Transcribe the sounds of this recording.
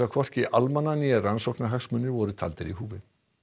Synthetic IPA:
akʰvɔr̥cɪʔalmanːaniaransɔwknaɦaxsmʏnːɪɾvɔɾʏt̪ʰa̰lt̪ɪɾiɦuːvɪð

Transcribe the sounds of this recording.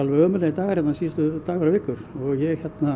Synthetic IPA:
alʋɛœːmʏlait̪aːɣaɾjɛt̪nasiːst̪ʏt̪aːɣaɾavɪːkːʏɾ̥ɔɣjɛçɛt̪na

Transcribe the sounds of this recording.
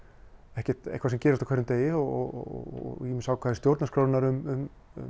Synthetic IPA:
ɛhcɛ̥t̪ḛhkvasɛmcɛːɾaft̪akʰɛɾːʏmt̪eːjɪɔɔ̰ | imɪsaːwkʰvaːðɪ̥st̪jowɾt̪naskɾaːwt̪naɾʏmʏm | ʏ̰

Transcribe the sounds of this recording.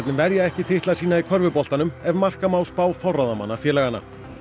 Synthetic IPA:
t̪nɪmvɛɾjaɛhcɪt̪ʰɪht̪lasiːnaikʰœɾvʏpɔl̥t̪anʏmɛvmar̥kamaːwspaːwfɔwrːɔðama̰nːafjɛːlɛɣana̰

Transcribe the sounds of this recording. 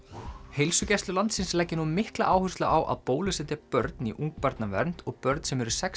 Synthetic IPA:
hejlsʏcɛslʏlant̪sɪnslɛcːɪnumɪhkla̰ʔaːwhʏst̪laawʔa̰ðpoːwlʏsɛt̪ɪpœɾt̪niʔuŋk̚paɾt̪navɛ̰ɾn̥t̪ɔɣpœɾt̪nsɛmɛɾʏ̥sɛks

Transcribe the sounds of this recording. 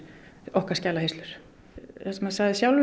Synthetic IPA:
ɔhkḁscɛːlahejst̪lʏɾ̥ | θɛsmɛðsaɣðɪsjawlv

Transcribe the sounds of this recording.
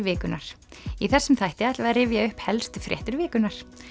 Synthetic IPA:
vɪːkʏnaɾ̥ | iθɛsːʏmθajht̪ɪajt̪lavaðrɪːvjaʏhphɛlst̪ʏfɾjɛ̰ht̪ʏɾvɪːkʏnaɾ̥

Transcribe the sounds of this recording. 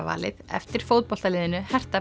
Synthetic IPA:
va̰ːlɪ̰ðɛ̰ft̪ɪɾ̥fowt̪̚pɔl̥t̪alɪːðɪnʏhɛr̥t̪a

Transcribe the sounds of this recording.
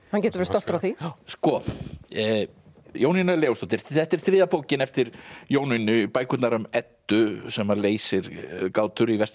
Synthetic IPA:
hancɛːt̪ɾvɛɾst̪ɔwlt̪ɾawθiskɔ | jowninaɛlɛːwʊsowt̪ɪɾθɛht̪ɪɾ̥θɾɪːðapoːwcɪnɛft̪ɪɾjoːwninʏpaːjkʏt̪naɾʏmɛt̪ːʏsɛmaleːjsɪɾkaːwt̪ʏɾivɛst̪

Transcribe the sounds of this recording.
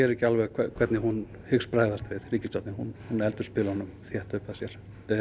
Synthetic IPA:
ɛɾɛcːɪalvɛɣkʰɛkʰvɛt̪nɪhun | hʏkspɾaːjðast̪vɪðriːcɪsɔt̪nɪhunhunɛlt̪ʏspɪlhɔnʏmθjɛht̪ʏhpaðsjɛɾ̥

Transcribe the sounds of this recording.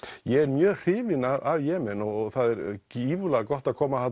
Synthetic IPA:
jɛɛɾmjœːr̥ɪːvɪnaavjɛːmɛnɔɣɣθaðɛɾciːvʏlaɣkɔht̪aðkʰɔːmaθat̪

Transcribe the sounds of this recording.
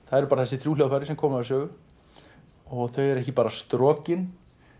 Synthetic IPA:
θaðɛɾpaːɾθɛsɪθɾuːlawfajɾɪsɛmkʰɔːmaɪsœːɣʏ | ɔɣθœɥɛɾɛhcɪpaːɾast̪ɾɔːcɪn

